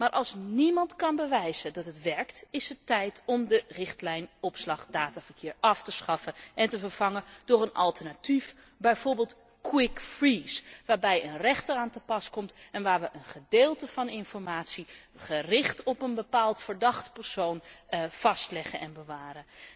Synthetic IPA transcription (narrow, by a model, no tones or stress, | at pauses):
maːɹʔɑlˠsnimɑntkɑnbəʋɛjzədɑtətʋɛɹktɪsətɛjtʰɔmdərɪχtlɛjnɔpslɑχdaːtavəɹkʰɪːɹɑftəsχɑfəʔɛntəvəɹv̥ɑŋəd̥ʊɹənʔɑ̰lˠtəɹnatif | bɛjvoːɹbeːlˠt | kʰwɪkfɹisʋaːɹbɛjənrɛχtəraːntəpɑskɔmtɛnʋaːɹʋəʔənχədeːlˠtəvɑnɪnfɔɹmaːtsiχərɪχtɔpənbəpaːlˠtfəɹdɑχtpəɹsownfɑstlɛχənʔɛnbəʋaːɾə